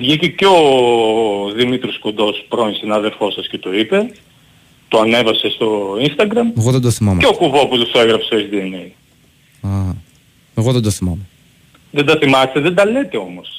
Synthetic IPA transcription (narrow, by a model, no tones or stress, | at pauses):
vʝiceceo | ðimit̪ɾiosko̞nd̪o̞spɾo̞nisinɐɐðe̞ɾfo̞sɐsce̞t̪o̞ipe̞ | t̪oɐne̞vɐse̞st̪o̞inst̪ɐɡɾɐmeɣoðend̪oθimɐmeokuvoput̪useɣɾɐpseet͡sd̪ienej | ɐ | eɣoðend̪oθimɐme | ðend̪ɐθimɐst̪eðed̪ɐle̞t̪e̞o̞mo̞s